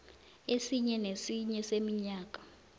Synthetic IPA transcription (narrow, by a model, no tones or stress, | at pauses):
esiɲɛnesiɲɛsemiɲaːk̬ʼḁ